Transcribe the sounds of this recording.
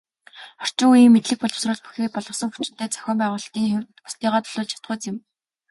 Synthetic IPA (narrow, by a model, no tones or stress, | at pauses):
χɔr̥t͡ɕɪ̆ŋujiːmːet̪ɮɘ̆k̚pɔɮɞ̆wsrə̆ːɮpu̥xeːpɔɮʁɞ̆sɞ̆ŋxu̥t͡ɕɪ̆nt̪ʰæːt͡sʰœ̥xʲɔːmpæːʁʊːɮt̪iːŋxewʲt̪pʊ̥st̪iːʁaːt̪ɵ̥ɮʊːɮt͡ɕʰḁt̪χʊ̆ːt͡sɪ̆m